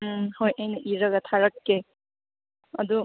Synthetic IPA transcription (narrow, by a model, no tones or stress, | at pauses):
hojɐjnɐʔiɾɐɡɐt̪ʰaɾɐkːe | ɐ̰d̪u